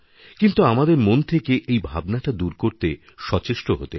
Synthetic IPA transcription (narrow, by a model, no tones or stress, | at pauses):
kint̪uamad̪eɾmont̪ʰekeʔejbʱabnaʈad̪uɾkoɾt̪e | ʃɔt͡ɕeʃʈoɦot̪e